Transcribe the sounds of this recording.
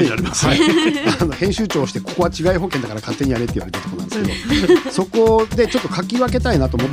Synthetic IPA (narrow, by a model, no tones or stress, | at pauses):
aiano̞hẽ̞ɕɨːt͡ɕo̞ːɕi̥t̪e̞koko̞βat͡ɕiɡaiɦo̞ːkẽ̞nd̪akaɾakʰat̪ːe̞ɲ̟ijaɾe̞t̪ei̟βaɾet̪aɾt̪okonã̰nd̪esked̪oso̞ko̞d̪e̞t͡ɕo̞t̪ːo̞kakʲiβake̞t̪ainat̪o̞ːmot̪ː